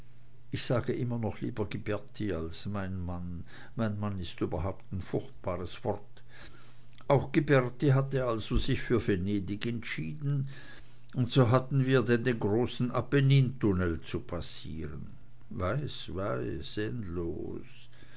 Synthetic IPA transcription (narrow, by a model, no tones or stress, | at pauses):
ʔɪçz̥aːɡəʔɪmɐnɔχlḭːbɐɡibɛɐtʰialsmaɪnman | maɪnmanɪstyːbɐɦaʊp̚taɪnfʊçtb̥aːʁəsv̥ɔʁt | ʔaʊxɡ̥ibɛʁtiɦateːɐalzozɪçfyːɐveneːdɪkɛntʃiːdn̩ | ʊntz̥oːɦatn̩viːɐdɛndeːnɡʁoːsn̩apeniːntʊnɛlt͡supʰas | ḭːʁə̰n | vaɪsvaɪsɛndlo̰ː | s